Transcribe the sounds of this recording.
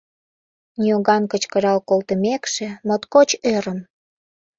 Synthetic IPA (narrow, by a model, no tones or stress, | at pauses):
nʲioɣɑnkət͡ɕkəɾɑlkolt̪əmekʃemot̪kot͡ɕøɾəm